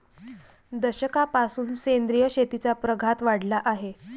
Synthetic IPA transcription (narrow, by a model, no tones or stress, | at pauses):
d̪əɕəkapasuːnsend̪ɾijəɕet̪it͡sapɾəɡʱat̪ʋaɽlaʔaɦe